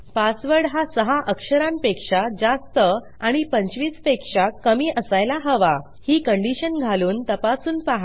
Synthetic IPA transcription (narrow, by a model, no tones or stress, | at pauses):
pasʋəɽɦasəɦaʔəkʂəɾãmpekʂad͡zast̪ə | aɽ̃ipəɲt͡ɕʋiːt͡spekʂakəmiːʔəsajlaɦəʋa | hiːkəɳɖiɕənɡʱaluːnt̪əpasuːnpaɦa